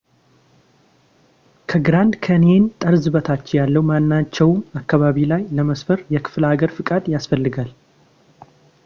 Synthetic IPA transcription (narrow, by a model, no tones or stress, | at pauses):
kʰəɡɨɾand̪kʰəne̞nt̪ʼəɾzɨβət̪ʰat͡ʃːɛjalːəhumanːat͡ʃːɛwmakːaβaβilajləməsfəɾjɛkʰɨ̥flhaɡəɾfɨkʼad̪jasfəlːɨɡal